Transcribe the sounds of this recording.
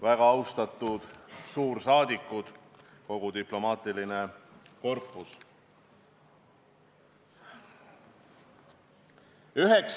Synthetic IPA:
væɡ̥ɑɑwst̪ɑt̪ːˑud̪̥suːɾsɑːd̪ikːˑud̪̥ko̞ɡ̥ud̪iplo̞mɑːt̪ilineko̞rpˑːus | yɦeks

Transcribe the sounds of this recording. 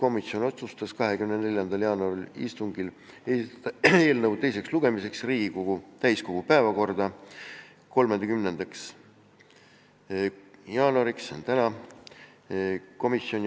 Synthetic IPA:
ko̞misjo̞no̞t̪sust̪ɑskɑɦe̞kymnene̞lʲjɑnd̪̥ɑljɑːnuɑɾilḭst̪uŋɡil | esit̪ɑt̪ɑe̞ːlnɤwt̪e̞jse̞ksluɡ̥e̞mise̞ksriːɡ̥ikoɡ̥ut̪æjsko̞ɡ̥upæevɑko̞rd̪̥ɑ | ko̞lmend̪ekymne̞nd̪̥ɑks | jɑːnuɑɾiksont̪ænɑ | ko̞misːio̞nʲ

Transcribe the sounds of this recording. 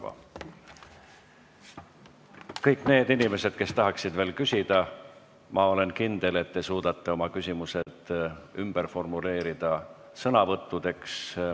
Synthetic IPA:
ɑ̰ | kɤjkːˑne̞ːd̪inime̞sed̪̥ke̞st̪ɑɦɑksid̪ve̞ːlkysʲid̪̥ɑ | mʔɑo̞le̞nkind̪̥e̞le̞t̪ːesuːd̪ɑt̪ːe̞o̞mɑkysʲimuse̞d̪̥ymb̥e̞ɾfo̞rmule̞ːɾid̪̥ɑ | sɤnɑvɤt̪ˑːud̪̥e̞ks

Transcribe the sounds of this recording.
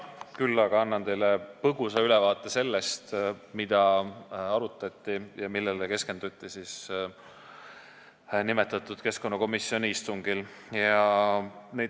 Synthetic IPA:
kylːɑɡ̥ɑɑnːɑnt̪e̞jlepɤɡ̥usɑylɛvɑːt̪ːˑe̞se̞lːe̞st̪mid̪̥ɑɑɾut̪ːˑɑt̪ʲːˑijɑmilːeleke̞ske̞nd̪̥ut̪ʲːˑisis | nimet̪ːˑɑt̪ːˑud̪̥ke̞sko̞nːɑko̞misːio̞nʲiist̪uŋɡil | jɑ | nej

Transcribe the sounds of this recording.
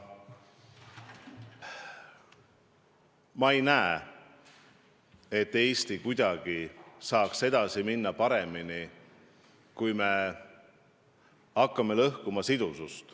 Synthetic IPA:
mɑejnæe | e̞t̪ːe̞ːst̪ikujd̪̥ɑɡ̥isɑːkse̞d̪̥ɑsiminːɑpɑɾe̞mini | kujme̞ | ɑkːɑme̞lɤhkumɑsid̪usust̪

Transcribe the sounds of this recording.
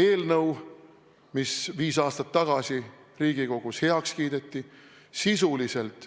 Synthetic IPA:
e̞ːlnɤw | misviːsɑːst̪ɑt̪ːɑɡ̥ɑsi | riːɡiko̞ɡ̥ushe̞ɑkskiːd̪e̞t̪ːˑi | sisulise̞lt̪ˑ

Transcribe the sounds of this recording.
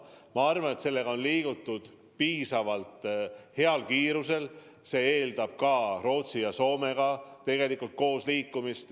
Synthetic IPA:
mɑɑrvɑne̞t̪se̞lːe̞ɡ̥ɑo̞nliːɡ̥ut̪ːˑud̪̥ | piːsɑvɑlt̪he̞ɑlkiːɾuse̞l | se̞ːe̞ːld̪ɑb̥̚kɑro̞ːt̪sijɑso̞ːme̞ɡ̥ɑt̪e̞ɡe̞likːult̪̚ko̞ːsliːkːˑumist̪

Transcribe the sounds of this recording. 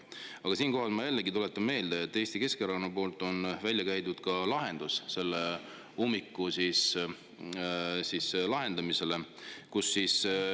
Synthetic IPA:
ɑɡ̥ɑsiːnko̞ɦɑlmɑjælːeɡit̪ule̞t̪ːˑɑme̞ːld̪eet̪ːˑe̞ːst̪ike̞skeɾɑkonːɑpo̞ːlt̪ːˑo̞nvælʲjɑkæjt̪ud̪̥kɑlɑɦe̞nd̪̥usse̞lːe | umːikːusis | sislɑɦe̞nd̪ɑmise̞lekusːiːs

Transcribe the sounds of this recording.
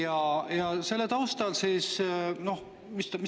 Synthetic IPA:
ɑjɑse̞lːet̪ɑwst̪ɑlsiːsno̞h | mist̪mi

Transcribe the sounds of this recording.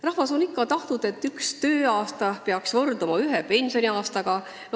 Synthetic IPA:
rɑhvɑso̞nikːɑt̪ɑht̪nud̪̥e̞t̪ːykst̪ø̞ːɑːst̪ɑpeɑksvɤrd̪umɑyɦepe̞nʲso̞nʲiɑːst̪ɑɡ̥ɑ

